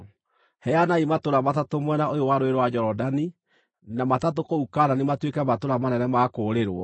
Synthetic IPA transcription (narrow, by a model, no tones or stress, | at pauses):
hɛjanaimatoɾamatatomwɛnaojowaɾoeɾwad͡ʑɔɾɔdani | namatatokoukananematwekɛmatoɾamanɛnɛmakoːɾeɾoɔ̰